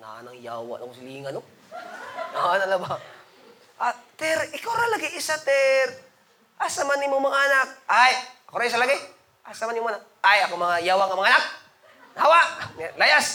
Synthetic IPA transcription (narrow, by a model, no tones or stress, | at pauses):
na̰nɐŋjaːwa̰ʔna̰kosɪliːŋɐno | nanalɐba | ʔat̪ɛɾʔɪkawɾalaɡɪʔɪsat̪ɛɾ | ʔasamanɪmomɐŋaʔɐnak̚ajɐkoɾais̬alaɡɪ | ʔasamanɪmoanak̚ | ajɐkomɐŋajaːwaŋamɐŋaʔnak̚ | nawaʔlajas